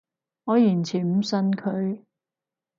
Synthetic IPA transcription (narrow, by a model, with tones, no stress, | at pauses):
ŋɔː˨˧jiː˨˩nt͡sʰiː˨˩nm̩˨˩sɐ˧nkʰɵ˨˧ɥ